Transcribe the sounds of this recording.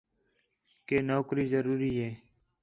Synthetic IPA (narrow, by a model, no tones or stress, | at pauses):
keːnoːkɾiːzəɾuːɾiːeː